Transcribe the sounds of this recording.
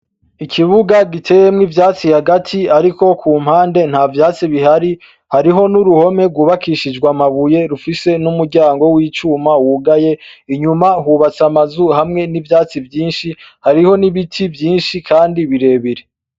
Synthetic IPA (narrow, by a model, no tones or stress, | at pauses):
ikʰiβuɡaɡitʰe̞ːje̞mŋivjaːt͡sihaɡatʰiaɾiko̞kʰuːm̥haːnde̞n̥haːvjaːt͡siβiɦaɾi | haɾiɦo̞nuɾuho̞me̞ɡwuβakiʃid͡ʒɡwamaβuje̞ɾufise̞numuɾɟaːŋɡo̞wiːt͡ʃuːmawuɡaje̞iɲumahuβat͡samazuhamŋe̞nivjaːt͡sivjiːnʃihaɾiho̞niβitʰivjiːnʃikʰaːndiβiɾe̞ːβiɾe